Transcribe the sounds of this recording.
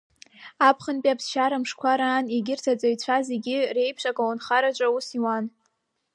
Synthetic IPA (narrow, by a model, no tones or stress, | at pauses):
apʰχənpʼiapʰsʃaɾamʂkʷʰaɾaːniɡʲɪrtʰat͡sʷʼajt͡ɕʷʰazeɡʲɪre̞jpʰʂʼakʼawanχaɾat͡ʃʷʼausiwan